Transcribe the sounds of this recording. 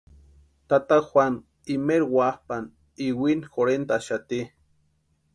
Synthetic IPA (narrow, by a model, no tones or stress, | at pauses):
t̪at̪axʷan | imeɾwahpan | iwinxoɾent̪aʃat̪i